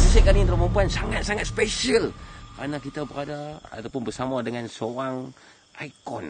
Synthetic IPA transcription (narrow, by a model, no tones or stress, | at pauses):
səsakalint̪ərmampuansaŋat̪̚saŋat̪̚speʃiəlkəɾanakit̪abəɾadaa̰t̪awpʊnbərsamadəŋansoaŋ | ʔaikɔ̰n